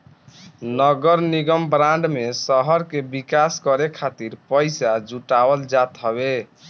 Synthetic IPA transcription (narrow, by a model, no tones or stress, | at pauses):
nəɡəɾniɡəmbɾãɳɖmesəɦəɾkebikaskəɾekʰat̪iɾpəɪsad͡ʒuʈabəld͡ʒat̪ɦəbe